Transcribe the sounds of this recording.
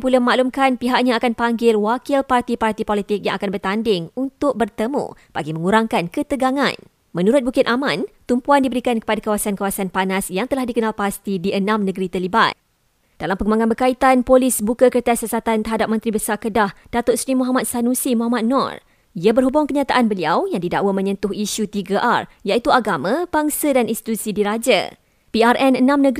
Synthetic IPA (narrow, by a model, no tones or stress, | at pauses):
pulaməmaʔlumkanpiɦaʔ̚ɲaːkanpaŋɡɪlwakɪlpart̪ipart̪ipolit̪ɪk̚jaŋʔakanbərt̪andɪŋunt̪ʊk̚bərt̪əmṵ̃b̥aɡimə̃ŋuɾaŋkankət̪əɡaŋã̰n | mə̃nuɾʊt̪̚bukɪt̪̚amãnt̪umpuandibəɾikankə̥padakawasankawasanpanasjaŋt̪əlahdikənalpast̪idiʔənãmnə̃ɡəɾit̪əliba̰n̚ | d̥alampəŋɡumbaŋãnbərkait̪anpolisbukakərt̪asəsat̪ant̪əɦadap̚mə̃nt̪ɾibəsarkədahd̥at̪oʔsɾimɔɦamat̪̚sanũsimɔɦamat̪̚nɔ̰r | iabərɦubʊŋkəɲat̪aʔanbəliawjaŋdida̰ʔwamə̃ɲənt̪ʊhiʃut̪iɡaʔar | jait̪uaɡamãb̥aŋsadaninst̪i̥t̪usidiɾad͡ʒa̰ | piarʔɛnənãmnə̃ɡ